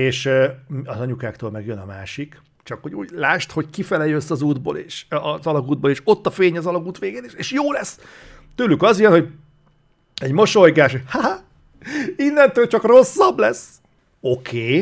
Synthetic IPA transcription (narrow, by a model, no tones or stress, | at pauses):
eːʃmɒzɒɲukaːkt̪oːlmɛɡjønɒmaːʃik | t͡ʃɒkhoɟṵːɟlaːʃt̪ho̞ckifɛlɛjøsːɒzuːd̪bo̰ːlḛːʃɒzɒlɒɡuːd̪̚boleːʃo̞t̪ːɒfeːɲɒzɒlɒɡuːt̪ʋeːɡeːneʃeʃjoːlɛsː | t̪yːlykɒzijɛnho̞ɟ | ɛɟmo̞ʃo̞jɡaːʃoha | inːɛnt̪yːlt͡ʃɒkro̞sːɒblɛs | o̞kʰeː